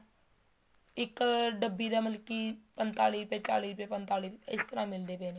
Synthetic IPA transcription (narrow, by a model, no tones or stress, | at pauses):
ɪkɖəbːiːd̪aːməlkiːpənt̪aːliːpẽːt͡ʃa̰ːliːpẽːpənt̪aːliːpɪst̪əɾãːmɪld̪eːpɛ̃ːneː